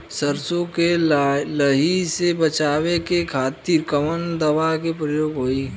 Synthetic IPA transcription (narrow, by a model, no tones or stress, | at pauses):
səɾsõkeləɦisebət͡ʃaːwekekʰaːt̪iːɾkəmənd̪əʋakepɾəjoːɡɦoːi